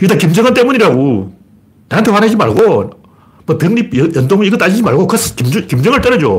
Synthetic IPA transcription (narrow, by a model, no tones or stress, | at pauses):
it͈ʰakimd͡ʑʌŋɦant͈emuɲiɾaɡo | naant̪ʰewanɦad͡ʑima̰ɭɡo | mʌpjeŋɲijʌndoŋiɡʌt͈ad͡ʑid͡ʑimaɭɡokɯskimd͡ʑkimd͡ʑʌŋɯɭt͈ʌɾʌd͡ʑo̰